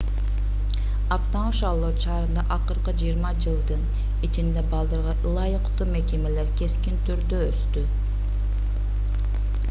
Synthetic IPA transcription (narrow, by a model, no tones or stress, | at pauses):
ɑp̚t̪ɑɴuʃɑlˠoɾʃɑːɾɯnd̪ɑʔɑqɯɾqəd͡ʒijɾmɑd͡ʒɯlˠd̪ɯn | it͡ʃind̪ebɑlˠd̪ɑɾʁɑʔlˠɑjəqt̪uːme̞kʲeme̞leɾkʲʰe̞skʲint̪ʰyɾd̪øøst̪y